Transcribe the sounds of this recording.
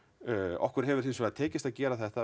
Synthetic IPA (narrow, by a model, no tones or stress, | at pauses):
ɔ̰hkvɛɾ̥ɦɛvʏɾ̥θinsvɛat̪ʰeːcɪst̪aðcɛːɾaθɛht̪a